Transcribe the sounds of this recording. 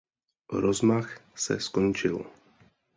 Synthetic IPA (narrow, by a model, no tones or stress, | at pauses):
ɾɔzmaxsɛ̰skɔnt͡ʃil